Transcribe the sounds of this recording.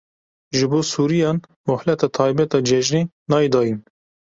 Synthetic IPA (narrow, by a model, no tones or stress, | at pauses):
ʒɨboːsuːɾijɑːnmɔhlɛt̪ɑːt̪ʰɑːjbɛt̪ɑːd͡ʒɛʒneː | nɑːjed̪ɑːjin